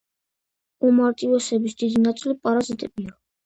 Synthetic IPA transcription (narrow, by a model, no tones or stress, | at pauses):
umaɾt̪ʼivɛsɛbisd̪id̪inat̪sʼilipʼaɾazit̪ʼɛbia